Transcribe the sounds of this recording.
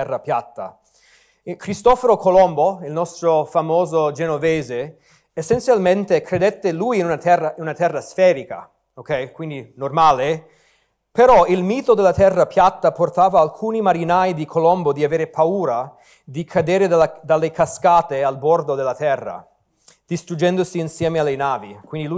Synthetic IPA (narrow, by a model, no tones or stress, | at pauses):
ɛrːapjat̪ːa̰ | kɾist̪ɔfoɾokʰolɔmboilnɔst̪ɾofamoːzod͡ʒenovɛːze | esːent̪sjalment̪ekɾed̪ɛt̪ːelujinunat̪ɛrːainunat̪ɛrːasfɛːɾika̰ | okɛjkwind̪inormaːle | peɾɔilmiːt̪od̪elːat̪ɛrːapjat̪ːaport̪aːvaːlkʰuːnimaɾinajd̪ikʰolɔmbod̪iaveːɾepauːɾa | d̪ikʰad̪eːɾed̪ad̪alːekaskaːt̪ealbɔrd̪od̪elːat̪ɛrːa̰ | d̪̥ist̪ɾud͡ʒɛnd̪osiːnsjɛːmealːenaːvikwind̪ilu